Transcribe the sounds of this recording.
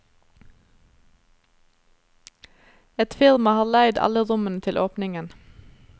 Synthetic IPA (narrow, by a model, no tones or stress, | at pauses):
ɛt̪fɪɾmɑhɑːlæɪd̪ɑ̰ləʁʊmənət̪ʰɪlʔoːpnɪŋən